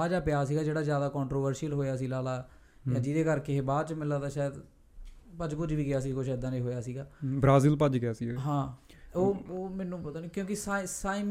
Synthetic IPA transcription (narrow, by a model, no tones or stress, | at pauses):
aːd͡ʒaːpɪjaːs̬iːɡaːd͡ʒeːɽaːzjaːd̪aːkɔːɳʈɾoːʋəɾsiəlɦoːjaːsiːlaːlaː | jãːd͡ʒɪd̪eːkəɾkeːbaːt͡ʃmɪlaːd̪aːʃaːjəd̪ | pəd͡ʒkʊd͡ʒʋiːɡɪjaːs̬iːkʊt͡ʃʰːd̪ãːnĩːɦoːjaːsiːɡaːbɾaːzɪlpəd͡ʒɡɪjaːsiɦãː | oːoːmɛːnũːpət̪aːniːkjõːkɪsaːisaːĩːm